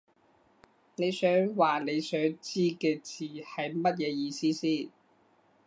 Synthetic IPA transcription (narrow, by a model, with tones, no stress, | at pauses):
ne˨˧jsœː˨˥ŋwaː˨˩ne˨˧jsœː˨˥ŋt͡siː˥kɛː˧t͡siː˨˩hɐ˨jmɐ˥t̚jɛː˨˧jiː˧siː˥siː˥n